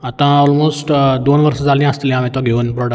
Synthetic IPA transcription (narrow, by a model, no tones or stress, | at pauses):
ɐt̪ãɔːlmoːsʈd̪oːnʋɐɾsəd͡zaːlĩãəst̪ilĩãːʋẽt̪oɡʱeunpɾɔɖə